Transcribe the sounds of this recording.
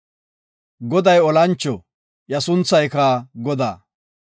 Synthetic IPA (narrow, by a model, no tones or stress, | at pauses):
ɡɔd̪ɐjɔlɐnt͡ʃːɔ | jɐsʊnt͡sːɐjkaːɡɔd̪aː